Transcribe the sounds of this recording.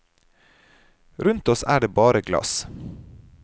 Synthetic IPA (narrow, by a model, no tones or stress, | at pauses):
ɾʉnt̪ɔsæːɖeːbɑːɾəɡlɑ̰s